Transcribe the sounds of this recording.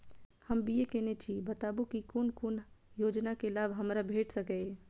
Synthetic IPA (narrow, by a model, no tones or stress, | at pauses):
həmbiekɛnet͡ʃʰibət̪abukikonkonjod͡ʒnakelabɦəmɾabʱeʈʰsəkɛ